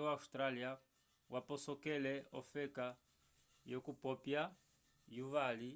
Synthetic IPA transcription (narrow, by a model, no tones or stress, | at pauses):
waustɾalia | wʔapɔsɔkɛlɛɔfɛka | jokupɔpja | juvali